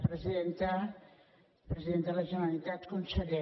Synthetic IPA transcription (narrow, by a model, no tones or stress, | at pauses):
pɾəziðent̪a | pɾəziðenəlaʒənalit̪at̪kunsəɣɛ